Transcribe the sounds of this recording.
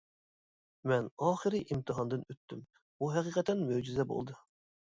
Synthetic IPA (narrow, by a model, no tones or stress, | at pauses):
mɛnɑːχɨɾɨʔimt̪ʰɨɦɑnd̪ɨnøt̪ʰːym | buɦɛqiqʰɛt̪ʰɛnmøwd͡ʒizɛbo̰lˠd̪ɨ